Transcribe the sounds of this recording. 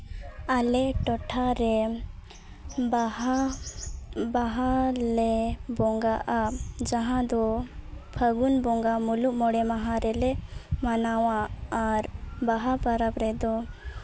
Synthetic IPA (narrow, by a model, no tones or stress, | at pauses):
alɛʈɔʈʰaɾɛ | ba | baɦalɛbɔŋɡaʔad͡ʒaɦãd̪ɔpʰəɡunbɔŋɡamuluʔmɔɽɛmaɦãɾɛlɛmanawaːɾbaɦapaɾapɾɛd̪ɔ